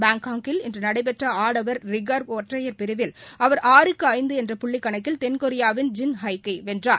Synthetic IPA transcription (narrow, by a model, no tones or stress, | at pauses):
baːŋkaːŋkɪlɪndrɐnɐɽɐɪpɛʈrɐaːɽɐʋɐɾɾɪɡaɾoːʈrɐjɐɾpɪɾɯʋɪlɐʋɐɾʔaːɾɯkːɯɐɪnd̪ɯɛndrɐpʊɭːɪkːɐɳɐkːɪlt̪ɛnkɔɾɪjaːʋɪnd͡ʒɪnɦɐɪkːɐɪʋɛndraːɾ